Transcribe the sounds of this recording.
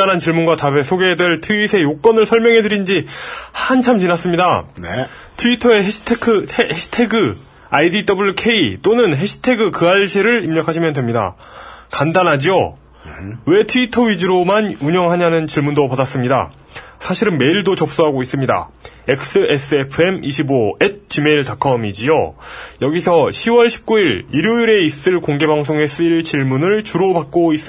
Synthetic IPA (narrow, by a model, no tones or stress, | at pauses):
anɦant͡ɕiɭmunɡwatabe̞sʰoɡedwe̞ɭtʰɯisʰe̞jok͈ʌnɯɭsʰʌɭmjʌŋɦe̞dɯɾind͡ʑihant͡ɕʰamt͡ɕinas͈ɯmɲidan | tʰuitʰʌe̞ɦeɕʰtʰekʰɯeeɕʰi̥tʰe̞ɡɯ | aidid͈ʌbuɭːokʰe̞it͈onɯnɦeɕʰi̥tʰe̞ɡɯkɯaɭɕʰiɾɯɭimɲʌkʰaɕʰimjʌndwe̞mɲida̰ | kandanɦad͡ʑio | we̞tʰuitʰʌɥid͡ʑɯɾomanuɲʌŋɦaɲanɯnt͡ɕiɭmundopadas͈ɯmɲida̰ | sʰaɕʰiɾɯnme̞iɭdot͡ɕʌp̚s͈uɦaɡois͈ɯmɲida̰ | e̞k̚s͈ɯe̞s͈ʰɯepʰɯe̞miɕʰiboet̚t͡ɕ͈ime̞iɭtakʰʌmid͡ʑiojʌɡisʰʌɕʰiwʌɭɕʰi̥p̚k͈uiɾiɾjoiɾe̞is͈ɯɭkoŋɡe̞baŋs̬ʰoŋe̞s͈ʰɯiɭt͡ɕiɭmunɯɭt͡ɕuɾopak̚k͈ois͈ɯ